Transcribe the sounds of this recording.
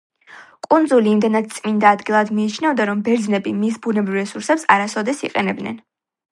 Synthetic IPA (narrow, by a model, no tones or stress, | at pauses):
kʼund̪zuliːmd̪ɛnad̪̥̚t̪sʼmind̪aːd̪ɡilˠad̪miːt͡ʃʰnɛvd̪aɾɔmbɛɾd̪znɛbimisbunɛbɾivɾɛsuɾsɛpsaɾasɔd̪ɛsḭqʼɛnɛb̚d̪nɛ̰n